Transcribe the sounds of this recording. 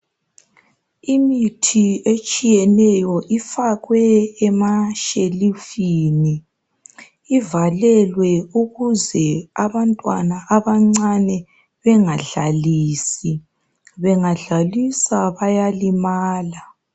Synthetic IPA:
imitʰiet͡ʃʼijɛnɛjɔʔifaɣwɛːmaʃelifini | valɛlwɛuɣuzɛaβantʼwa̰naʔːβaŋ͡ǀanɛ | βɛŋaɮaliːsi | βɛŋaɮalisaβajalimaːla

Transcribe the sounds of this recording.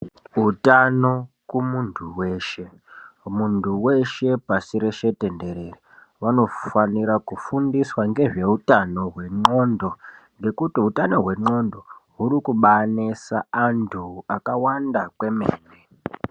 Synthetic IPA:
utano̞ | kumuntʰuwe̞ːʃe̞ | muntʰuwe̞ʃe̞pasiɾe̞ʃe̞te̞nde̞ɾe̞ri | ʋano̞faniɾakufundiswaŋɡe̞ʐe̞utano̞ɦwe̞ŋ͡ǃo̞ndo̞ŋɡe̞kutiutano̞ɦwe̞ŋ͡ǃo̞ndo̞ɦuɾikuɓanesaːntʰuakawandakwe̞mḛːne

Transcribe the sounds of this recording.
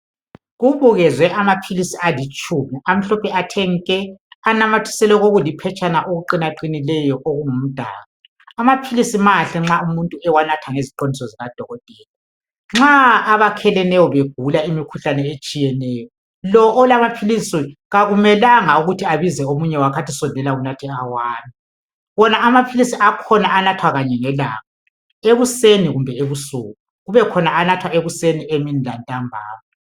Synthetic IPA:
ɣuβuɣɛzwɛʔamapʰilisialit͡ʃʼuːmɛam̩ɬɔpʰɛatʰɛŋ̩kʼɛanamatʰi̥sɛlɛɣoɣulipʰɛt͡ʃʼanaʔoɣuǃinaǃinilɛjɔʔoɣuŋum̩d̥ʱa̰ːɣa | amapʰilisimaɬɛŋ͡ǁaumuntʼuɛwanatʰaŋeziǃondʱisɔziɣad̥ʱɔɣɔtʼɛːlɛ | ŋ͡ǁaːβakʰɛlɛnɛjɔβeɡ̥̚ʱulaimikʰuɬanɛet͡ʃʼijɛnɛːjɔ | lɔʔːlamapʰilisiɣaɣumɛlaŋauɣutʰiaβizɛomuɲɛwakʰatʰisɔndʱɛlaunatʰiawaːmi | βɔnaamapʰilisiʔakʰɔnaanatʰwaɣaɲɛŋɛlaːŋa | eβuseniɣumbʱɛeβusuːɣu | ɣuβɛkʰɔnaanatʰwaeβusenieminilantʼambʱa̰ːma

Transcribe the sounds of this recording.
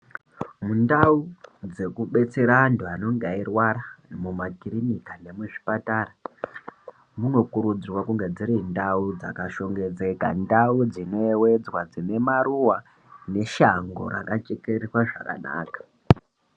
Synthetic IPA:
mundaud͡ze̞kuɓe̞t͡se̞ɾanduano̞ŋɡairwaɾamumakirinikane̞muʐi̥patara | muno̞kuɾud͡zirwakuŋɡe̞d͡ziɾindaud͡za̰kaʃo̞ŋɡe̞d͡ze̞ɡʱa̰ndaud͡zino̞ewe̞d͡zwad͡zine̞maɾuwa | ne̞ʃaŋɡo̞̰ɾa̰kat͡ʃekerirwaʐaka̰na̰ːkḁ

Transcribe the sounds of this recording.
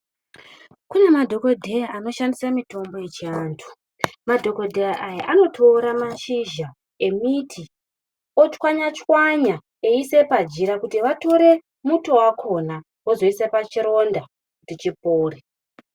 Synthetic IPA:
kune̞madʱo̞ko̞dʱe̞jaʔano̞ʃandisamito̞mbo̞jet͡ʃiaːntʰu̥ | madʱo̞ko̞dʱe̞jaʔajaʔano̞tʰo̞ːɾamaʃiʒa | e̞mitʰi | ot͡ʃwaɲat͡ʃwaɲa | eise̞pad͡ʒiɾakutiʋato̞ɾe̞ | muto̞wakʰo̞na | wozo̞isepat͡ʃiɾo̞nda | kutit͡ʃip̚oːre

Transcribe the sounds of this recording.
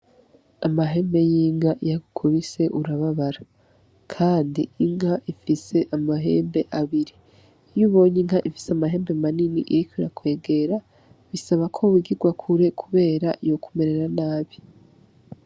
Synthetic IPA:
amaɦe̞ːmbe̞jiːŋɡaʔijaɡukʰoβise̞ʔuɾaβaβaɾa | kʰaːndiiŋhaʔifise̞ʔamaɦe̞ːmbe̞ʔaβiɾi | juβo̞ːɲiŋɦaʔifi̥seamaɦe̞ːmbemaniniʔiɾikwiɾa̰kwe̞ːɡe̞ɾa | βisaβakʰo̞wiɡiɡwakʰuɾe̞kʰuβe̞ːɾaijo̞kʰume̞ɾe̞ɾanaːβi

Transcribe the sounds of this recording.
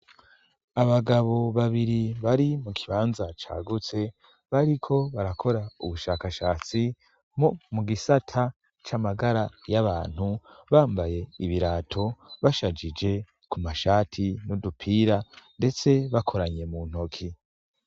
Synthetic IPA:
aβaɡaβo̞βaβiɾiβaɾimukʰiβaːnzat͡ʃa̰ːɡut͡se̞ | βaɾikʰo̞βaɾakʰo̞ɾauβuʃaːkaʃaːt͡si | momuɡisatʰa | t͡ʃamaɡaɾajaβaːn̥huβaːmbaje̞iβiɾaːtʰo̞βaʃad͡ʒid͡ʒe̞ | kumaʃaːtʰinodupʰiːɾande̞t͡se̞βakʰo̞ɾaɲe̞mun̥o̞kʰi

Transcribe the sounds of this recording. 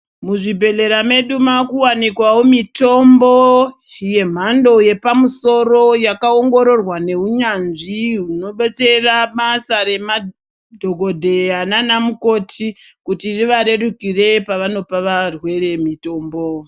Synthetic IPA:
muʐibʱe̞ɮe̞ɾame̞ɗumakuwanikwawomito̞mbo | je̞m̤ando̞je̞pamuso̞ro̞jakao̞ŋɡo̞ɾo̞rwane̞uɲanʐiuno̞ɓet͡se̞ramasaɾe̞ma | dʱoɡo̞dʱe̞ananamuko̞tʰikutiriʋaɾe̞ɗukire̞paʋano̞paʋarwe̞re̞mito̞ːmbo

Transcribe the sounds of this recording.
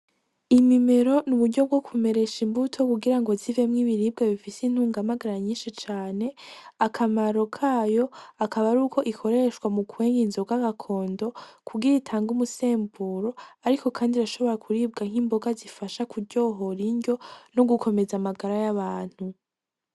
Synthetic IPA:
imime̞ɾo̞nuβudɟo̞bɡo̞kʰume̞ɾe̞ʃimbutʰo̞kuɡiɾaŋɡo̞zivemŋiβiɾiːb̚ɡeβifisin̥huːŋɡamaɡaɾaɲiːnʃit͡ʃaːne̞akʰamaɾo̞kʰaːjo̞akʰaβaɾuːko̞ʔikʰo̞ɾe̞ʃkwamukuwe̞ːŋɡinzoɡaɡakʰo̞ːndo̞kʰuɡiɾitʰaːŋɡumuse̞ːmbuɾo̞aɾiko̞kʰaːndiɾaʃo̞βo̞ɾakʰuɾiːb̚ɡaŋ̥imbo̞ɡazifaʃakuɾɟo̞ɦoɾiɲɟo̞no̞ɡukʰo̞me̞zamaɡaɾajaβaːn̥hu

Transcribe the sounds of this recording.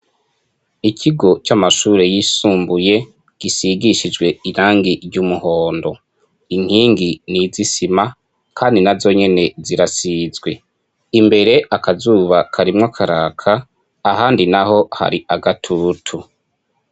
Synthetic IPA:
ikʰiɡo̞t͡ʃamaʃuːɾe̞jisuːmbuje̞ | ɡ̥isiɡiʃid͡ʒɡwe̞iɾaːŋɡiɾɟumuho̞ːndo̞ | in̥hiːŋɡinizisima | kʰaːndinazo̞ɲe̞ne̞ziɾasizɡwe̞ | imbe̞ɾe̞ʔakʰazuːβakʰaɾimŋakʰaɾaːkʰaː | ɦaːndinaho̞ha̰ɾiaɡatʰutʰu

